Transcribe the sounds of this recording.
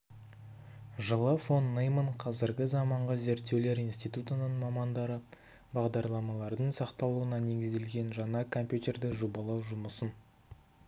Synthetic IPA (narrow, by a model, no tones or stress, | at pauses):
ʒəlˠəfo̞nːejməɴqʰɑzɪɾɡʲɪzɑmɑɴʁəze̞ɾt̪ːe̞wle̞ɾijnst̪ijt̪ut̪ənəɴmɑmɑnd̪ɑɾə | bɑʁd̪ɑɾlˠɑmɑlˠɑɾd̪əɴsɑqt̪ɑlˠuənɑne̞ɡʲɪzd̪e̞lɡʲe̞nʒɑɴɑkʰo̞mpʲjut̪ʲe̞rd̪ɪʒubɑlˠɑwʒʊməsən